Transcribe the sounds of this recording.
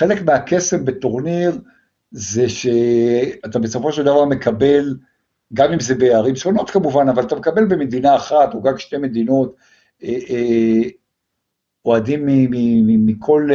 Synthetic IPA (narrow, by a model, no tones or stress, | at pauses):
χele̞kmeake̞sembeto̞ʁniʁ | ze̞ʃe̞atabeso̞fo̞ʃeld̪avaʁme̞kabe̞l | ɡamimzebeaʁimʃono̞t̪kamuvanavalat̪amekabe̞lbeme̞d̪inaːχatoɡakʃteme̞d̪ino̞t | e | o̞adimːimimikʰo̞l